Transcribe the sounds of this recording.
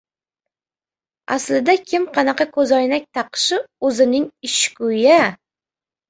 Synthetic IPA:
a̰slɪd̪akʲʰɪmqʰɑnɑqɑkʰɵzɒjnak̚ʲt̪ʰɑqʃɪɵzɪnɪŋɪʃkʊja

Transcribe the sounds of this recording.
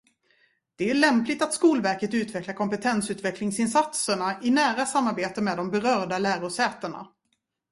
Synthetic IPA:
d̪̥ɛæɭɛmplɪt̪at̪skuːlvæɾkət̪ʉ̟ːt̪vɛklaɾkʰɔmpət̪ʰɛnsʉ̟ːt̪vɛklɪŋsɪnsat̪səɳaʔɪnæːɾasamːaɾbeːt̪əmɛːd̪ɔmbɛɾœːɖalæːɾʊsɛːt̪əɳa̰

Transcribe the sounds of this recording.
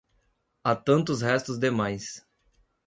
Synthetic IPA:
at̪ɐ̃nt̪ʊshɛst̪ʊzd̪emajs

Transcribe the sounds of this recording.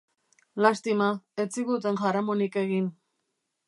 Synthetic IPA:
last̪imaet͡siɣut̪̬enʝaɾamonike̞ɣin

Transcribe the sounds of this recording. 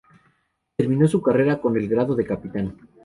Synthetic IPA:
t̪eɾmĩno̞sukare̞ɾako̞ne̞lɣɾaðo̞ðe̞kapit̪an

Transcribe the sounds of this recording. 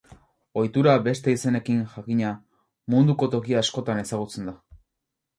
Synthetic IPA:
o̞jt̪uɾaβe̞st̪e̞ise̞ne̞kinʝakiɲa | mund̪uko̞t̪o̞kiaːsko̞t̪ane̞saɣut͡se̞nd̪a

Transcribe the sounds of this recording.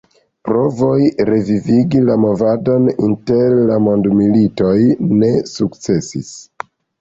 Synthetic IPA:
pɾo̞vo̞jɾe̞viviɡilamo̞vado̞ninte̞ɾːamo̞ndmilito̞jne̞sukt͡se̞sḭs

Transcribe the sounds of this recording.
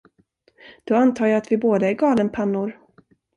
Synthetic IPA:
d̪̥ɔant̪ʰɑːjɑːat̪vɪboːd̪əæɾɡɑːlənpʰanːʊɾ

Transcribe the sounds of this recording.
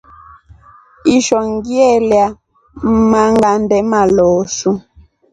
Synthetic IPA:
iʃɔŋɡiɛlja | m̩maŋɡandɛmalɔːsu

